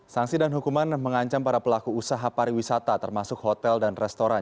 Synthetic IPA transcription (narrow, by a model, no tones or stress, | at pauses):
saŋsidanɦukumanməŋaɲt͡ʃampaɾapəlakuːsaɦapaɾiwisat̪at̪ərmasʊkhot̪ɛldanrɛst̪oɾan